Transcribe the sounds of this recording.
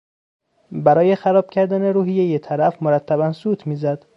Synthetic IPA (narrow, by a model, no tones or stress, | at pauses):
bæɾɒːje̞xæɾɒːb̥cʰæɾd̪æne̞ɾuːɦije̞jet̪ʰæɾæfmoɾæt̪ʰːæbænsuːt̪ʰmiːzæd̪̥